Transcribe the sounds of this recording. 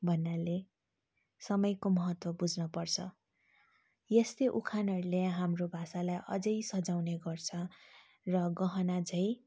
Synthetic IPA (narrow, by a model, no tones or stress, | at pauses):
bʱʌnːale | sʌmʌjkomʌɦʌt̪wʌbud͡znʌpʌrt͡sʰʌ | jesteʔukʰanʌɾleɦamrobʱasalajʔʌ̰d͡zʌjsʌd͡zawneɡʌrt͡sʰʌ | rʌɡʌɦʌnad͡zʌj